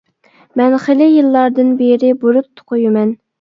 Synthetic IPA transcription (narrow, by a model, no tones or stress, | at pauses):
mɛnχelɪjɨlˠːɑɾd̪ɨnbeɾɪbuɾʊt̪ʰːʊ̥qʰojumɛn